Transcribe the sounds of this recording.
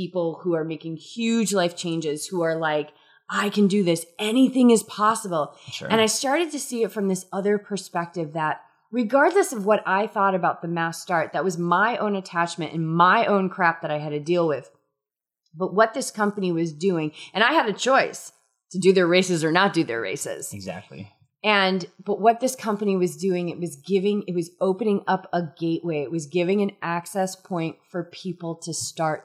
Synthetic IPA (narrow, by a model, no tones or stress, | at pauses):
pipl̩ˠhuə˞meɪkɪ̃ŋhjʉd͡ʒlaɪft͡ʃʰẽɪ̃nd͡ʒɪz̥huə˞laɪk | ʔaɪkʰɨ̃ndɨðɪsɛniθɪ̃ŋɨz̥pʰɑsəbl̩̰ˠɨ̃ñaɪstɑɹɾɨd̚tʰɨsiɨtfɹʌ̃mðɪsʌðə˞pʰə˞spɛk̚tɨvðət̚ | ɹɨɡɑɹdˡləsʌvwʌɾʔaɪθɔɾɨbaʊt̪̚ðɨmæstɑɹt̪̚ðɨt̚wʌzmaɪʔõ̰ʊ̃nɨtʰæt͡ʃmɨ̃ntɨ̰̃nmaɪʔõʊ̃nkʰɹ̥æp̚ðɨɾaɪɨd̚tɨdilˠwɪð̥ | b̥ʌt̚wʌt̪̚ðɪskʰʌ̃mpɨniwʌzdʉɪ̃ŋɨ̃ɾ̃aɪɨɾɨt͡ʃʰɔɪs | tʰɨdɨðə˞ɹeɪsɨzə˞nət̚d̥ɨðə̰˞ɹḛɪsɪ̰z̥ɡzæ̰k̚tˡlḭ | ɨ̃nb̥ʌt̚wʌt̪̚ðɪskʰʌ̃mpɨniwʌzdʉɪ̃ŋɨt̚wʌzɡɪvɪ̃ŋɨt̚wʌzoʊpɨnɪ̃ŋʌpəɡeɪʔweɪɨt̚wʌzɡɪvɪ̃ŋɨ̃næksɛspʰɔ̃ɪ̃ntfə˞pʰipl̩ˠtʰɨstɑɹt̚